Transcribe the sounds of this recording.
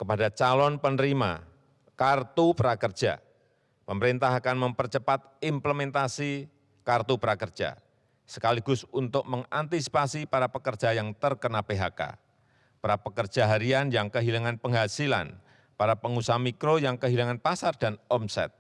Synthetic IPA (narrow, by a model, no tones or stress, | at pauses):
kəpadat͡ʃalɔnpənəɾima̰ | kart̪upəɾakər̥ʒ̥a̰ | pəməɾint̪aɦakanməmpərt͡ʃəpat̪̚ɪmpləmɛnt̪asi | kart̪upəɾakərd͡ʒʒ̥a̰ | sə̥kaliɡʊsunt̪ʊk̚məŋant̪isi̥pasipaɾapəkərd̥d͡ʒ̥ajaŋt̪ərkənapeɦaka̰ | pəɾapəkər̥d͡ʒ̥aɦaɾianjaŋkəɦilaŋanpəŋɦasila̰n | paɾapəŋusamikɾojaŋkəɦilaŋanpasardanɔmsɛ̰t̪̚